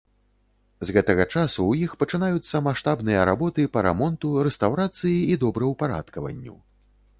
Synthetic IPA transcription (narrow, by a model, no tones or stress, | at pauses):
zɣɛt̪ɐɣɐt͡ʂasuwjixpɐt͡ʂɨnajut̪sːɐmaʂt̪abnɨjɐɾa̰bɔt̪ɨpɐɾɛ̰mɔnt̪uɾɛst̪awɾat̪sɨjiid̪ɔbɾɐwpaɾa̰t̪kɐvɐ̰nʲːṵ